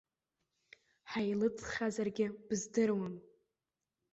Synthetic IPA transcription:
ħajlɨt͡sʰʼχʲazarɡʲɪb̥zdɨrwam

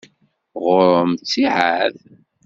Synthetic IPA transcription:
ʁʊɾəmt͡sːiʕað

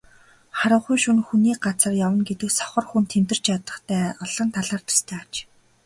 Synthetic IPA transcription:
χaɾə̆ɴχujʃunxuniːk̚ɢat͡sə̆rjawə̆nɡet̪ɘ̆wsɔ̥χɞ̆rxunt̪ʰemt̪ɘ̆r̥t͡ɕjat̪ə̆χt̪ʰæːɔɮə̆nt̪ʰaɮaːrt̪ʰḁst̪ʰæːat͡ɕ

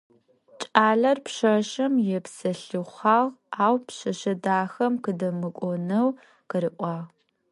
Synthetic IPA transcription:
t͡ʃʼaːɮɐrpʃɐʃɐmjɛpsɐɬɨχɑːʁaːwpɕɐʃɐdaːxɐmqɨdɐmɨkʷʼɔnɐw | qəɾɨʔʷʼɑːʁ

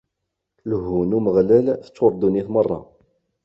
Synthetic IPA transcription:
lɦunuməʁlælθə̥t͡sːoɾˤd̪uniθmərˤːɑ̰

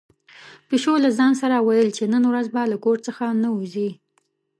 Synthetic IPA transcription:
piʃolazɑns̬aɾawajəlt͡ʃenənwɾazbalakoɾt͡səxanauzi

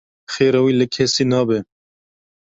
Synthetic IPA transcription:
xeːɾawiːləkʰɛsiːnɑːbɛ

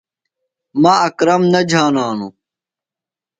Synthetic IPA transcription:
maːɐkɾɐmnɐd͡ʑʱaːnaːnu

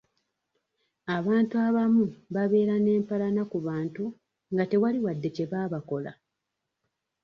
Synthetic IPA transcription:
aβaːntuaβamuβaβe̞ːɾane̞ːmpalanakuβaːntu | ŋɡate̞waliwadːe̞ce̞βaːβako̞la̰

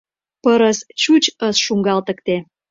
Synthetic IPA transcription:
pəɾəst͡ɕut͡ɕəsʃuŋɡɑlt̪ə̆kt̪e

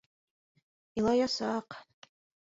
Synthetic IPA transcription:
ilajasaːq

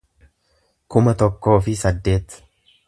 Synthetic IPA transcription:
kʊmɐt̪ɔkːo̞ːfɪsɐd̪ːe̞ːt̪

